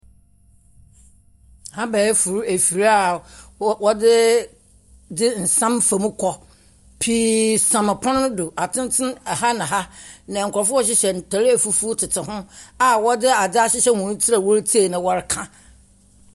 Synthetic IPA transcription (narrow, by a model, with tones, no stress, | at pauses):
hã˦bɛː˨˦fu˨ɾu˦e˨fi˨ɾa˦a˨wɔ˦dɪ˦ | dɪ˦n̩˨sã˦mfa˨mũ˦kʰɔ˨ | pʰi˦sã˨ma˨pʰɔ̃˦n˦do˨a˨tʰɪ̃˦n˦tʰɪ̃˦n˨ha˦nã˨ɦa˦nã˨ŋ̩˨kɔ˨fʊ˦ɔ˦ɕ̬ɪ˦ɕɛ˨n̩˨tʰɔ˨ɾɪ˦æ˨fu˦fu˦tʰɪ˨tʰɪ˨ɦʊ̃˦a˨wɔ˦dɪ˦a˨dɪ˦a˦ɕɪ˦ɕɛ˦hũ˨n̩˦tʰi˦a˨wɔ˦ɾtʰi˦e˨nã˨wɔ˦ɾɪ˦kʰã˦